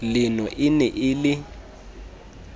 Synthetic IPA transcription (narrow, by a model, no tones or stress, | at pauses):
lɪnɔʔɪnɛʔɪlɪ